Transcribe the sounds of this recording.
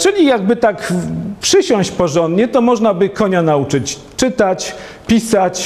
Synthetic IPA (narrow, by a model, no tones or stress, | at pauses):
t͡ʂɘlʲijaɡ̚bɘt̪akpʂɘɕɔ̃w̃ɕt͡ɕpɔʐɔnd̪ɲɛt̪ɔmɔʐnabɘkɔɲanaut͡ʂɘt͡ɕ | t͡ʂɘt̪at͡ɕ | pʲisat͡ɕ